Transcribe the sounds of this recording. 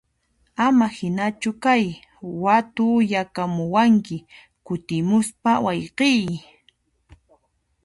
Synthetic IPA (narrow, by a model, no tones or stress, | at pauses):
amahɪnat͡ʃʊkaj | wat̪ʊjakamʊwaŋkɪ | kʊt̪ɪmʊspawɑjqɪj